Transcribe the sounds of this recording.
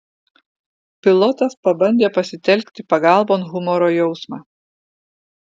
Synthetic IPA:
pʲɪlˠɔt̪ɐspɐbɐnʲd̪ʲeːpɐsʲɪt̪ʲɛlʲkʲt̪ʲɪpɐɡɑˑlˠboːnɣʊmɔɾoːjɛʊsmɑː

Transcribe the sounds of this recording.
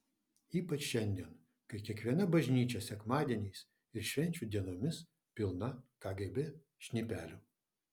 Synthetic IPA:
iːpɐt͡ʃʃʲɛnʲd̪ʲiɛn | kɐɪkʲiɛkʋʲiɛnɐbɐʒʲnʲiːt͡ʃʲɛsʲɛkmɑːd̪ʲiɛnʲɛɪs | ɪɾʃʲʋʲɛnʲt͡ʃʲuːd̪ʲiɛnoːmʲɪs | pʲɪlˠnɐkɑːɡʲɛbʲɪ | ʃʲnʲipʲæːlʲʊ

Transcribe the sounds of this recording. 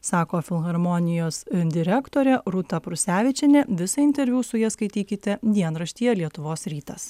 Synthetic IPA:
sɑːkoːfʲɪlˠɣɐɾmɔnʲɪjoːsd̪ʲɪɾʲɛkt̪oːɾʲɛɾʊt̪ɐpɾʊsʲæːʋʲɪt͡ʃʲɛnʲɛʋʲɪsɐɪnʲt̪ʲɛɾʲʋʲuːsʊjiskɐɪt̪ʲiːkʲɪt̪ʲɛd̪ʲiɛnɾɐʃʲt̪ʲijɛlʲiɛt̪ʊʋoːsɾʲiːt̪ɐs

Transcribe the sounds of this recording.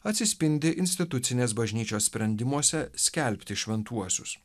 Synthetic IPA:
ɐt̪ʲsʲɪsʲpʲɪnʲd̪ʲɪʔɪnʲsʲt̪ʲɪt̪ʊt̪sʲɪnʲeːsbɐʒʲnʲiːt͡ʃʲoːsʲsʲpʲɾʲɛnʲd̪ʲɪmuɔsʲɛsʲkʲɛlʲpʲt̪ʲɪʃʲʋʲɛnt̪uɔsʲʊs

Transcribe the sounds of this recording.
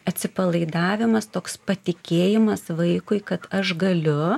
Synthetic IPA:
ɐt̪ʲsʲɪpɐlˠɐɪd̪ɑːʋʲɪmɐst̪oːkspɐt̪ʲɪkʲeːjɪmɐsʋɐɪkʊɪkɐt̪ɐʃɡɐlʲʊ

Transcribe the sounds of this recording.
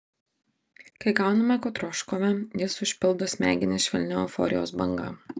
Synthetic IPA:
kɐɪɡɑˑʊnɐmʲɛkoːt̪ɾɔːʃkoʋʲɛjɪsʊʃʲpʲɪlˠd̪oːsʲmʲæ̰ːɡʲɪnʲɛʃʲʋʲɛlʲnʲɛɔfɔ̰ːɾʲɪjo̰ːsbɐŋɡɐ̰ː

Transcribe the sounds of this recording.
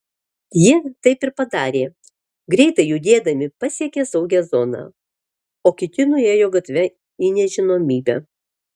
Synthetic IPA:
jit̪ɐɪpɪɾpɐd̪ɑːɾʲeː | ɡɾʲɛɪt̪ɐɪjʊd̪ʲeːd̪ɐmʲɪpɐsʲiɛkʲeːsɐʊɡʲæːzoːnɑ̰ː | oːkʲɪt̪ʲɪnʊjeːjoːɡɐt̪ʲʋʲɛ | inʲɛʒʲɪnoːmʲiːbʲæ̰ː

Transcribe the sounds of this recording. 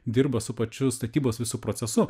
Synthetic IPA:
d̪ʲɪɾbɐsʊpɐt͡ʃʲʊst̪ɐt̪ʲiːboːsʋʲɪsuːpɾoːsʲɛsʊ

